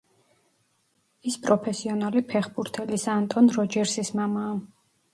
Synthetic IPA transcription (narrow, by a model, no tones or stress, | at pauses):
ispʼɾɔpʰɛsiɔnalipʰɛχbuɾt̪ʰɛlisant̪ʼɔnɾɔd͡ʒɛɾsismamaː